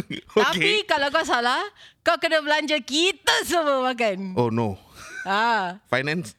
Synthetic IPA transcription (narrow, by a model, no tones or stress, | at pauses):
oakepikalawk̬aws̬alahkawkədəbəlaɲd͡ʒəkit̪əsəməmakanono | afajnãns